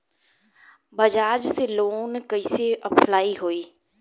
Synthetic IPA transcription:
bɐd͡ʒaːd͡ʒseloːnkɐiseʔɐpʰlaːiɦoːiː

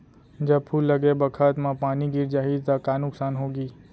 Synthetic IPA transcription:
d͡ʒɐb̚pʰuːlːəɡebəkʰət̪mãpaːniɡiɾd͡ʒaɦid̪t̪akaːnʊksaːnɦoːɡiː

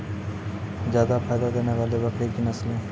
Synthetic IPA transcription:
zjaːd̪apʰaːjd̪ad̪eːneʋaːlebɐkʰɾekinɐslɦẽː

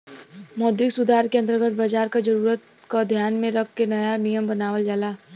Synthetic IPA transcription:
mɔːd̪ɾɪksʊd̪ʱaːɾkeɐ̃nt̪əɾɡət̪̚bad͡ʒaːɾkad͡ʒəɾuːɾət̪ | kod̪ʱjaːnmẽɾɐkʰːenɐjanijəmbənaːʋəld͡ʒaːlaː

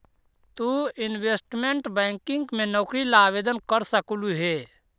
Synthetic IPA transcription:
t̪uɪnweːsʈmẽɳʈbɛ̃ːŋkɪ̃ŋɡmẽnɔːkɾilaːʋeːd̪ənkəɾsəkuluɦɛː

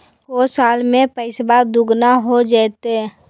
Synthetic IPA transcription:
koːsaːlmẽpəɪsbad̪ʊɡnaɦod͡ʒaːt̪eɛ

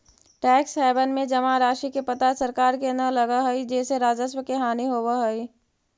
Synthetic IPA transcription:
ʈɛːksɛːbənmẽd͡ʒɐmãɾaːʃikepɐt̪asɐɾkaːɾkenəlɐɡaɦɐid͡ʒɛːseɾaːd͡ʒəs̬wəkeɦaːniɦoːwaɦɐi

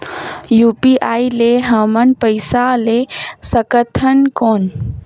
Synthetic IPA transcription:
jupiʔaːileɦəmənpəɪsalesəkət̪ʰənkoːn

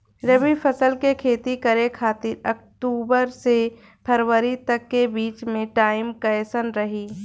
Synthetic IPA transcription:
ɾeʋipʰəsəlkekʰeːt̪ikəɾekʰaːt̪ɪɾək̚ʈuːbəɾse | pʰəɾwəɾit̪ɐkːebiːt͡ʃmẽʈaːɪmkɐsənɾɐɦiː

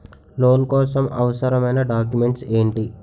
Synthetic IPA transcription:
loːnkɔːsɐmɐ̰ʋɐsɐɾɐmɐjnɐɖaːk̬jume̞ɳʈse̞ːɳʈi

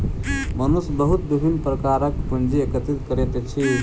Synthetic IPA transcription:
mənusbəɦut̪̚d̪ibʱinpɾəkaɾəkpund͡ʒiekət̪it̪kəɾet̪et͡ʃʰi

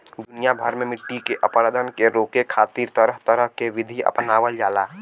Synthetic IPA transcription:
d̪ʊnijabʱəɾmemɪʈːikeʔəpɾəd̪ʱənkeɾoːkekʰaːt̪iːɾt̪əɾəɦt̪əɾəɦkeʋɪd̪ʱiə̰pnaːwəld͡ʒaːlaː

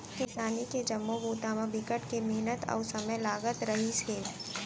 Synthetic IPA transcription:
kɪsaːniked͡ʒɐmːobuːt̪aːmãbɪkəʈkemeɦnət̪ɔ̰ːsɐməjlaːɡət̪ɾɐɦiseː

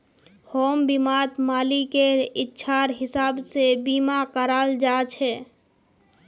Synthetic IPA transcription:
hombimat̪malikeɪtːʃʰaɾɦɪsabsebimakəɾəld͡ʒat͡ʃʰɛ

